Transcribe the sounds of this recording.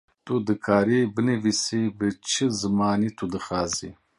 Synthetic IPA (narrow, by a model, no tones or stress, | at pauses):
t̪ʰʼud̪ɨkʰaːɾibɨnevisibɨt͡ʃʰɨzɨmaːnit̪ʰud̪ɨxaːzḭ